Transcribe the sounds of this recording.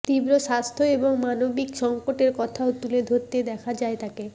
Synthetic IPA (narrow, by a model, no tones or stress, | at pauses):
t̪ibɾoʃast̪ʰoeboŋmanobikʃɔŋkoʈeɾkɔt̪ʰaot̪uled̪ʱoɾt̪ed̪ɛkʰad͡ʑaet̪ake